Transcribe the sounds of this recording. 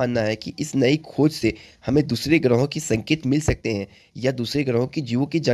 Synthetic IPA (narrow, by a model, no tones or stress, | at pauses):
aːnːaɦɛkiʔɪsnɐikʰoːd͡ʒsehɐmẽd̪uːsɾeɡɾəɦõkisɐ̃ŋkeːt̪mɪlsɐk̚t̪eɦɛ̃ː | jad̪uːsɾeɡɾəɦõkid͡ʒiːʋõkid͡ʒa